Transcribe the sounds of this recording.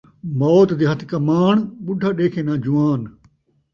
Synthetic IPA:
moːt̪d̪iːɦɐt̪ʰkɐmaːɳɓʊɖʱaːɗeːkʰeːnãːd͡ʒʊʋaːn

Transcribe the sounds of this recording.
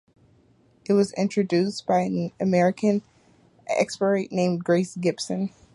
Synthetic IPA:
ɨt̚wʌzɪ̰̃nt͡ʃɹ̥ɨdʉsb̥aɪɨ̃nɨmɛɹɨkɨ̃n | ɛ̰kspə˞eɪʔnẽɪ̃mɡɹeɪsɡɪbsɨ̃n

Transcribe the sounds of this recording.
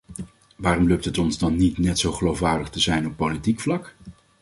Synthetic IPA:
ʋaːrɔmløp̚tɦətɔnzdɑnːitnɛtsowχəlowfʋaːɹdəχtəzɛjnɔpːolitikflɑk

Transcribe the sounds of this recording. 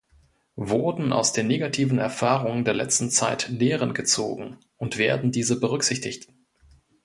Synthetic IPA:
vʊɐdn̩ʔa̰ʊsd̥eːnːeːɡatʰiːvn̩ɛ̰ɐfaːʁʊŋəndeːɐlɛ̰t͡stn̩t͡saɪtneːʁənɡət͡so̰ːɡŋ̩ | ʊntv̥eːɐdn̩diːzəbəʁʏkz̥ɪçtɪçt

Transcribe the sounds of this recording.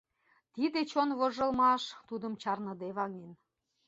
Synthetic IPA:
t̪id̪et͡ɕonβoʒɤ̆lmɑʃt̪ud̪ə̆mt͡ɕɑrnɤ̆d̪eβɑŋen

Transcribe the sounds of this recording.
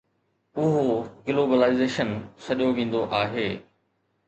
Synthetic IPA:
ʊɦoɡloːbəlaːɪzeːʃənsɐɗijoʋĩːn̆d̪oʔaːɦeː

